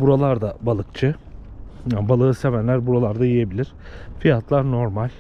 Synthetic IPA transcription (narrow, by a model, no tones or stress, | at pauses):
buɾalˠaɾd̪abalˠɯkt͡ʃʰɯ | janbalˠɯːse̞vænlʲæɾbuɾalˠaɾd̪ajije̞bilʲiɾ̥ | fijat̪ʰlˠaɾno̞ɾmalʲ